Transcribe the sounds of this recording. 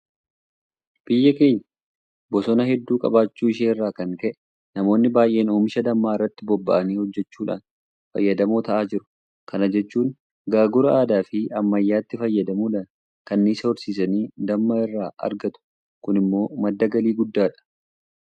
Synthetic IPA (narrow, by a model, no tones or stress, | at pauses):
b̥ɪjːɐkeːjɐ | bɔsɔnɐɦɛd̪ːuːkʼɐ̰baːt͡ʃːuːɪʃ̬eːnɪrːaːkɐnk̪ɛʔɛ̥ | nɐmo̞ːnːɪbaːjʔe̞ːnoːmɪʃɐd̪ɐmːaːɪrːɐt̪ːɪbɔbːɐ̰ʔɐniːhɔd͡ʒːɛt͡ʃːuːᶑa̰ːn | fɐ̰jːɐd̪ɐmoːt̪ɐʔaːd͡ʒɪɾʊ̥ | kɐnɐd͡ʒɛt͡ʃːuːn | ɡaːɡʊɾɐaːd̪aːfɪɐmːɐjːaːt̪ːɪfɐjːɐd̪ɐmuːᶑɐn | kɐnːiːsɐɔɾsiːsɐniːd̪ɐmːɐɪrːaːʔɐ̰ɾɡɐt̪ʊ̥ | kʊnɪmːo̞ːmɐd̪ːɐɡɐliːɡʊd̪ːaːᶑɐ̥